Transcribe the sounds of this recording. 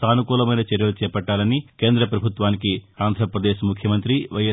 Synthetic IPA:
t̪aːnukuːlɐmɐjnɐt͡ʃeɾjɐlut͡ʃɛːpɐʈːaːlɐnikeːnd̪ɾɐpɾɐbʱut̪ʋaːnikiaːnd̪ʱɾɐpɾɐd̪eːʃɐmukʰjɐmɐnt̪ɾiʋɐjɐ

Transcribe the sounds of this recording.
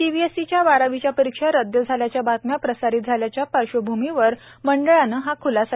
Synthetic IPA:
iʋiesit͡ɕjaʋaɾaʋit͡ɕjapəɾikʂaɾəd̪jəd͡zʱaljat͡ɕjabat̪mjapɾəsaɾit̪̚d͡zʱaljat͡ɕjapəɾɕəbʱumiʋəɾ | məɳɖəɭanəɦakʰulasa

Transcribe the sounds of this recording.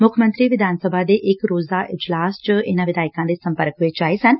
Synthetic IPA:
mʊkʰmənt̪ɾiːʋɪd̪ʱaːnsəbʱaːd̪eːʔɪkɾoːzaːʔɪd͡ʒlaːst͡ʃɪnãːʋɪd̪aːɪkãːd̪eːsə̃mpəɾkɦʊeːt͡ʃaːesən

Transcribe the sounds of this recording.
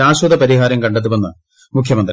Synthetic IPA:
aːɕwɐd̪ɐpɐɾiɦaːɾɐmkɐɳɖet̪ːiʋɐnːɐ | mukʰjɐmɐnd̪

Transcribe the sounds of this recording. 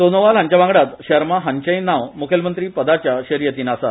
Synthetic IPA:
d̪onoʋalɦaɲt͡ɕaʋãŋɡɽat̪ɕəɾmaɦãɲt͡ɕəjnaʋmukʰjəlmənt̪ɾiːpəd̪at͡ɕjaɕəɾjət̪iːnasa

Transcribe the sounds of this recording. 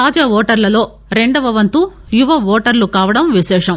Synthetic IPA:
aːd͡ʒaːʋɔːʈɐɾlɐlo̞ː | ɾeɳɖɐbɐʋɐnt̪u | juʋɐʋɔːʈɐɾlukaːʋɐɽɐmʋiʃɛːʂɐm

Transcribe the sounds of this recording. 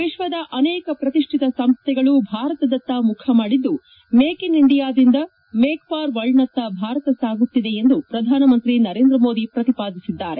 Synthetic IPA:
ʋiʃʋɐd̪ɐʔɐnɛːkɐpɾɐt̪iʂʈʰit̪ɐsɐmst̪ɛɡɐɭubʱaːɾɐt̪ɐd̪ɐt̪ːɐmukʰɐmaːɽid̪ːu | meːkiniɳɖijaːd̪ind̪ɐ | meːkpaːɾʋɐɭnɐt̪ːɐbʱaːɾɐt̪ɐsaːɡut̪ːid̪e̞end̪upɾɐd̪ʱaːnɐmɐnt̪ɾinɐɾeːnd̪ɾɐmo̞ːd̪ipɾɐt̪ipaːd̪isid̪ːaːɾe̞

